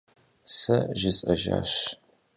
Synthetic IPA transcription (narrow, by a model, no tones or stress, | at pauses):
sɐʒɪsʼɐʒa̰ːɕ